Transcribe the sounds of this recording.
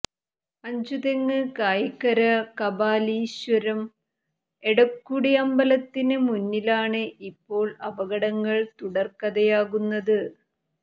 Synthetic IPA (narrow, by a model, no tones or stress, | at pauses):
ɐɲd͡ʑuðeŋːɨkaːjikːɐɾɐkɐbaːliɕwɐɾɐm | eɽɐkːuɽiɐmbɐlɐt̪ːinɨmunːilaːɳɨʔipːo̞ːɭɐbɐɣɐɽɐŋːɐɭt̪uɽɐrkɐðɐjaːɣunːɐðɨ